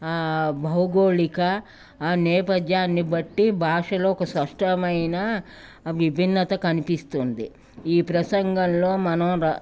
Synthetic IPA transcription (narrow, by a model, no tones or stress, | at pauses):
bʱɐwɡo̞ːɭikɐ | nɛːpɐd̪jaːnːibɐʈːibʱaːʂɐloːɔkɐspɐʂʈɐmɐjnɐ | ʋibʱinːɐt̪ɐkɐnipist̪und̪i | iːpɾɐsɐŋɡɐnlo̞ːmɐnɐm